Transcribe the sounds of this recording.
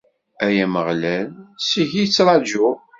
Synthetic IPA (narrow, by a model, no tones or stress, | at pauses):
æjæməʁlælsiʝit͡sːɾˤɑʒʊ